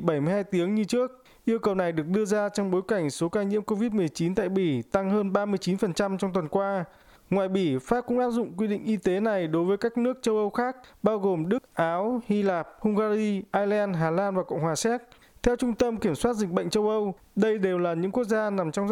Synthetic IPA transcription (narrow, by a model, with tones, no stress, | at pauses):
ɓə˧˩jmɨ˧jhaː˧jt̪i˨˦əŋɲɨ˧t͡ɕɨ˦˥ək̚ | ʔi˧əwkə˨˩wna˨˩jɗɨ˨˩ək̚ɗɨ˧əzaː˧t͡ɕɔ˧wŋ͡mɓo˨˦jka˧˩jŋ̟so˨˦kaː˧ɲḭ˧˥mko˧vi˦˥t̚mɨ˨˩əjt͡ɕi˨˦nt̪a̰ː˧˨jɓi˧˩t̪a˧ŋhəː˧nɓaː˧mɨ˧əjt͡ɕi˨˦nfə˨˩nt͡ɕa˧mt͡ɕɔ˧wŋ͡mt̪wə˨˩nkwaː˧ | ŋwaː˨˩jɓi˧˩faː˦˥p̚kʊ̰˧˥ŋ͡mʔaː˦˥p̚zʊ̰˧˨ŋ͡mkwi˧ɗḭ˧˨ŋʔi˧t̪e˨˦na˨˩jɗo˨˦jvəː˨˦jkaː˦˥k̚nɨ˦˥ək̚t͡ɕə˧wʔə˧wxaː˦˥k̚ɓaː˧wɣo˨˩mɗɨ˦˥k̚ʔaː˨˦whi˧laː˨˩p̚hʊ˧ŋ͡mɣaː˧zi˧ʔaː˧jlɛ˧nɦaː˨˩laː˧nvaː˨˩kə̰˧˨wŋ͡mhwaː˨˩sɛ˦˥t̚ | t̪ʰɛ˧wt͡ɕʊ˧ŋ͡mt̪ə˧mki˧˩əmswaː˦˥t̚zï˨˩k̚ɓə̰˧˨ŋt͡ɕə˧wʔə˧w | ɗə˧jɗe˨˩wlaː˨˩ɲɨ̰˧˥ŋku˦˥ək̚zaː˧na˨˩mt͡ɕɔ˧wŋ͡m